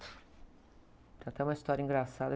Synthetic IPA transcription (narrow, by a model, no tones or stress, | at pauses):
t̪ɾat̪ɛũmɐist̪ɔɾjɐĩɡɾasad̪ɐ